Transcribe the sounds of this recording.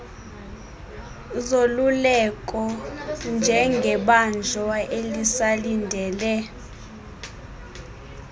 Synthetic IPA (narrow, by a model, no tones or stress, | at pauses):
zolulɛkʼɔnd͡ʒʱɛŋɡʱɛɓand͡ʒʱɔaʔelisalindʱɛːlɛ